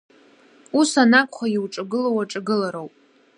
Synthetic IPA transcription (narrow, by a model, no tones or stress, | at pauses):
usanakʷʼχaiwʈ͡ʂʼaɡɨlowaʈ͡ʂʼaɡɨlaɾowpʼ